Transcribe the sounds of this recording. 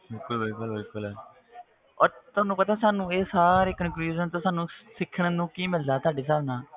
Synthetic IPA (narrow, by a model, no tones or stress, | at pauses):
bɪlkʊlbɪlkəlbɪlkʊlɛː | ɔːɾt̪ʊaːnũːpət̪aːsaːnũːeːsaːɾeːkənkluːd͡ʒənt̪õːsaːnũːsɪkʰːəɳənũːkiːmɪld̪aːt̪ʊaːɖeːs̬aːʋnãː